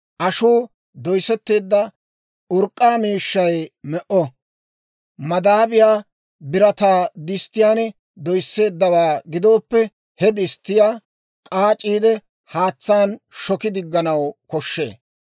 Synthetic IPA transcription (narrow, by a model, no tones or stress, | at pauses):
ʔɐʃuː | d̪ɔjsɛt̪ːe̞ːd̪ːɐ | ʊɾkʼːaːmiːʃːɐjmɛʔɔ | mɐd̪aːbɪjaː | bɪɾɐt̪aːd̪ɪst̪ːɪjaːn | d̪ɔjsːe̞ːd̪ːɐwaːɡɪd̪o̞ːpːɛ | hɛd̪ɪst̪ːɪjaː | kʼaːt͡ʃʼiːd̪ɛ | haːt͡sːaːnʃɔkɪd̪ɪɡːɐnɐwkɔʃːe̞̰ː